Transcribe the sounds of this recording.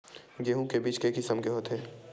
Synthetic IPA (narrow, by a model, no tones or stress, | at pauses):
ɡeːɦõkebiːt͡ʃkeːkisəmkeɦot̪ɦɛː